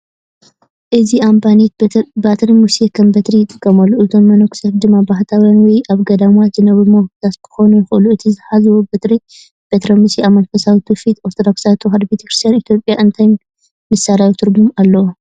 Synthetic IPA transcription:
ʔɨziʔambanit̪bat̪ʰɐɾimusekʰɐmbɐt̪ɾijɪt̪ʼɨkʼːɐmɐlːuɨzʰo̞mːɐnoksɐɾd̪ɨmːabaħt̪ʰawjanwɔjʔaβɡɐd̪amat̪zɨnɐβimohki̥t̪ʰat̪kʰɨ̥xo̞nujɪxʔɨluʔɨt̪ʰizɨħazɨwobɐt̪ɾi | b̥et̪ɾɐmusiamːɐnfɐsawit̪ʰufit̪oɾt̪ʰod̪oksat̪ʰuxad̪bet̪ʰɐkɾɨ̥st̪ʰijanit̪ʰjo̞pʼːjaʔɨnt̪ʰaj | mɨsːaɾawt̪ʰɨɾbumalːɐwo

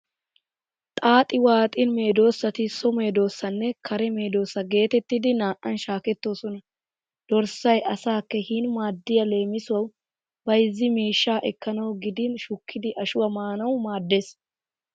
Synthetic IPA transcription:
t̪ʼaːt̪ʼɪwaːt̪ʼɪnme̞ːd̪o̞ːsːɐt̪ɪsɔme̞ːd̪o̞ːsːɐnːɛkʰɐɾɛme̞ːd̪o̞ːsːɐɡe̞ːt̪ɛt̪ːɪd̪ɪnaːʔɐnʃaːkɛt̪ːo̞ːsɔnɐ | d̪̥ɔɾsɐjʔɐsaːkːɛhiːnmaːd̪ːɪjɐle̞ːmɪsʊwɐw | bɐjɪzːɪmiːʃːaːʔɛkːɐnɐwɡɪd̪ɪnʃʊkʰːɪd̪ɪʔɐʃʊwɐmaːnɐwmaːd̪ːe̞ːs

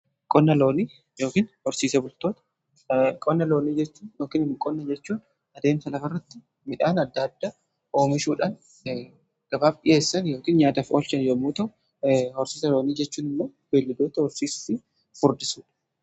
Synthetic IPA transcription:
kʼɔnːɐlo̞ːniː | jo̞ːkiːnhɔɾsiːsɐbʊlt̪o̞ːt̪ɐ̥ | kʼɔnːɐlo̞ːniːd͡ʒɛt͡ʃːuːnjoːkiːnɪnɪkʼɔnːɐd͡ʒɛt͡ʃːuːn | ɐd̪e̞ːmsɐlɐfɐrːɐt̪ːɪ̥ | mɪᶑaːnɐd̪ːɐd̪ːaː | ʔoːmɪʃuːᶑan | ɡ̥ɐbaːbɪjʔe̞ːsːɐnjo̞ːkiːnɲaːt̪ɐfoːlt͡ʃɐnjɐmuːt̪ɐʔʊ | hɔɾsiːsɐloːniːd͡ʒɛt͡ʃːuːnɪmːoːb̥eːlːɪd̪oːt̪ɐhɔɾsiːsʊ̥fɪ | fʊɾd̪ɪsuːᶑɐ̥

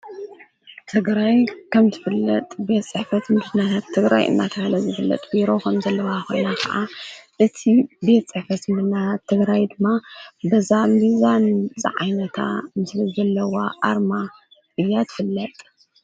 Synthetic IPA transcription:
t̪ʰɨɡɾajkʰɐmzɨfɨlːɐt̪ʼbe̞t̪t͡ssʼɨħfɐt̪mɨɨnːat̪ʰat̪ʰːɨɡɾa̰jɨ̰nːat̪ʰɐkalɐzɨfɨlːɐ̰t̪ʼbiɾo̞kʰɐmzɐlːɐwaxo̰nakʰɐ̰ʔaʔɨt̪ʰibe̞t̪t͡sʼɨħfɐt̪mɨɨɨnːat̪ʰat̪ʰːɨɡɾajd̪ɨmːabɐzambizanzɨ̰ʕa̰jnɐt̪ʰa̰mɨslizɐlːɐwaʔaɾma | ʔɨjːat̪ʰɨ̥fɨlːɐt̪ʼ

